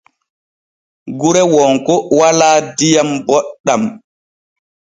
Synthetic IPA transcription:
ɡuɾɛwɔŋkɔwalaːdijambɔɗːam

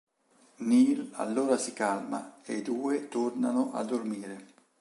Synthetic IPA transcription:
niːla̰lːoːɾasikalmaed̪uːet̪ornanoʔa̰d̪ːormiːɾe

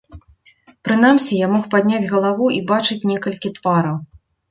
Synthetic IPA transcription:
pɾɨn̪amsʲijamɔxpad̪ʲnʲad͡zʲɣɐlˠavuʔibat͡ʂɨt͡sʲnʲɛkɐlʲkʲit̪vaɾɐw

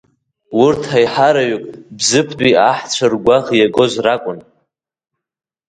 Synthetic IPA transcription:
wʊrtʰajħaɾaɥʏkʼbzɨpʰdʼiaħt͡ɕʷʰarɡʷaʁjaɡozʷrakʷʼʊn

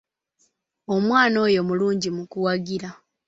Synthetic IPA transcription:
o̞mwaːno̞ːjo̞muluːɲɟimukuwaɡiɾa

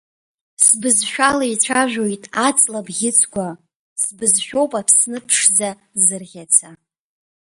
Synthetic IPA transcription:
sbɨzʃᶣalait͡sʷʰaʒᶣojtʼat͡sʼlabɡʲɪt͡sʰɡʷa | sbɨzʃᶣo̞wpʼapʰsnɨpʰʂd͡za | zɨrʁʲat͡sʰa

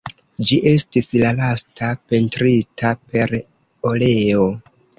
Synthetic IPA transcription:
d͡ʒiʔe̞stislalastape̞ntɾitʰape̞ɾ | ole̞o

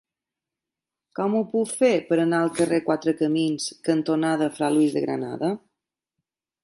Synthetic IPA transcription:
kɔmuput̪fepəɾənaəlˠkərekwat̪ɾəkəminskənt̪onaðəfɾaluizðəɣɾə̰na̰ðə

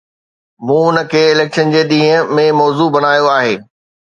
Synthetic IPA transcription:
mũːʊnə̆kʰeːɪleːkʃənd͡ʑeːɗ̪ĩːɦəmẽmɔːzubɐnaːjoaːɦeː

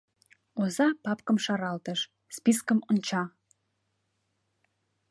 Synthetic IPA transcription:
ozɑpɑpkəmʃɑɾɑlt̪əʃ | spiskəmont͡ɕɑ

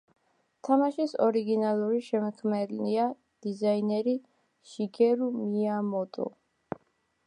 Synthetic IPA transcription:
t̪ʰamaʃisɔɾiɡinalˠuɾiʃɛmɛkʰmɛɾnia | d̪̥izainɛɾi | ʃiɡɛɾumiamɔt̪ʼṵ

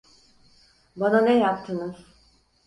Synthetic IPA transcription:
bananɛjap̚t̪ʰɯnɯz̥

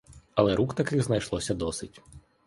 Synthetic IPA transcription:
ɐlˠɛɾukt̪ɐkɪɣznɐjʃlˠɔsʲɐd̪ɔsɪtʲ

